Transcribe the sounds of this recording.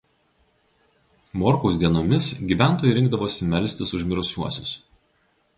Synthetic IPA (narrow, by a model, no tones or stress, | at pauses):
moːɾkoːs̬d̪ʲiɛnoːmʲɪsɡʲiːʋʲæˑnt̪oːjʲɛɪɾʲɪŋɡd̪ɐʋoːsʲɪmʲɛlʲsʲt̪ʲɪsʊʒʲmʲɪɾʊsʲuɔsʲʊs